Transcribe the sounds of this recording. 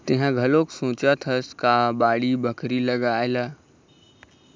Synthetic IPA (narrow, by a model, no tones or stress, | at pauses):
t̪eɦãɡʱəloksõːt͡ʃət̪ʰəskabaːɽibʱəkʰɾiləɡajla